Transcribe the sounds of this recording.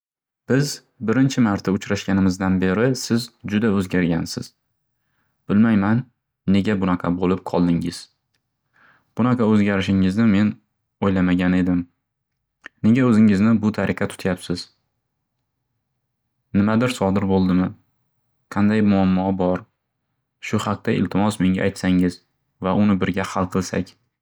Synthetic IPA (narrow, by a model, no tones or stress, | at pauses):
b̥ɪz | bɪɾɪnt͡ʃʰɪmaɾt̪ʰaʊt͡ʃɾaʃkʲanɪmɪzd̪anbe̞ɾɪsɪzd͡ʒʊd̪aɵzɡʲaɾɡʲansɪ̰z̥ | b̥ɪlmajmanː | e̞ɡʲabʊnaqʰɑbolɪp̚qʰɒlˠd̪ɪŋɪz̥ | b̥ʊnaqʰɑɵzɡʲaɾɪʃɪŋɪznɪme̞n | ojlamaɡʲane̞d̪ɪm | ne̞ɡʲaɵzɪŋɪznɪbʊt̪ʰaɾʔɪqʰɑt̪ʰʊ̥t̪ʰjapsɪz | nɪmad̪ɪɾsɒd̪ɪɾbolˠd̪ɪmɪ | qʰɑnd̪ajmʊamːɒbɒɾ | ʃʊhɑq̚t̪ʰaɪ̰lt̪ʰɪmɒsme̞ŋɡʲa̰ːjt̪saŋɪz | vaʔʊnɪbɪɾɡʲahalˠqʰɨlˠsa̰kʲ